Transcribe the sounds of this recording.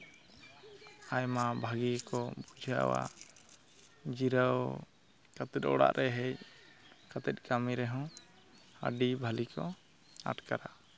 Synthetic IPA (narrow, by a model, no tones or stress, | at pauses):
ajmabʱaɡikɔbud͡ʒʱa̰wa̰ | d͡ʒiɾəw | kat̪ɛt̪̚ɔ̰ɽa̰ʔɾʔɛɦɛc | kat̪ɛt̪̚ˀkamiɾɛɦɔ̃ | ə̰ɖibʱalikʰɔ̰ | a̰ʈkaɾa